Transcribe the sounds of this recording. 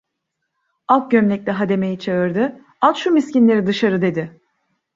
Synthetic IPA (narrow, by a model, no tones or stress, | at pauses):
alˠk̪̚ɟømlʲɛc̚lʲɛɦad̪e̞me̞jit͡ʃʰeɯɾd̪ɪ | alˠʃumiscinlʲe̞ɾid̪ɯʃaɾɯd̪e̞d̪ɪ